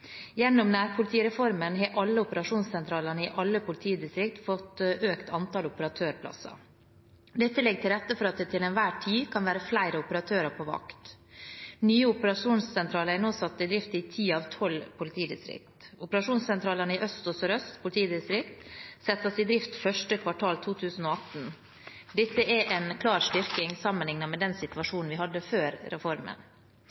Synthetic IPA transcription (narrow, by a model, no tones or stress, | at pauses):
jɛnːɔmnæːɾpʰʊlɪt̪ʰiːɾɛfɔɾmənɦeːʔɑlːəʊpəɾɑʂuːnssɛnt̪ʰɾɑːlənəɪʔɑlːəpʊlɪt̪ʰiːd̪ɪst̪ɾɪk̚t̪fɔt̪ːʔøːkt̪ʰɑnt̪ɑːlʊpəɾɑt̪ʰøːɾpʰlɑ̰sɑ̰ | d̪ɛt̪ːəlɪɡːəʈ̪ʰɪlɾɛt̪ːəfɔɾɑt̪̚d̪ɛːt̪ʰɪlɛnʋæːʈʰiːkʰɑnʋæːɾəflæɪɾəʊpəɾɑt̪ʰøːɾəpʰɔʋɑ̰kt̪ | nyːəʊpəɾɑʂuːnssɛnt̪ʰɾɑːləɾæɾnoːsɑt̪ːɪd̪ɾɪft̪ɪt̪ʰiːɑːʋt̪ʰɔlpʰʊlɪt̪ʰiːd̪ɪ̰st̪ɾɪ̰k̚t̪ʊpəɾɑʂuːnssɛnt̪ʰɾɑːlənəɪʔœst̪ɔsɔɾœst̪pʰʊlɪt̪ʰiːd̪ɪst̪ɾɪkt̪sɛt̪ːəsɪd̪ɾɪft̪fœʂʈəkʰʋɑʈʰɑːlt̪ʰuːt̪ʰʉːsn̩oːɑt̪n̩ | d̪ɪsːəʔɛʔɛnkʰlɑːɾsʈʏɾkɪŋsɑmːənlɪŋnɑmɛd̪ɛnsɪt̪ʉʋɑʂuːnn̩ʋɪhɑd̪ːəføːɾɾɛfɔɾmə̰n